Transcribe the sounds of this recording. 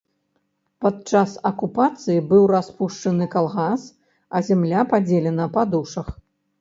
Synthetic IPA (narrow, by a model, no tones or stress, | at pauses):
pat̪̚t͡ʂasɐkupat̪sɨjibɨwraspuʂt͡ʂɐnɨkalˠɣas | ɐzʲɛmlʲapad͡zʲelʲɛnɐpad̪uʂɐx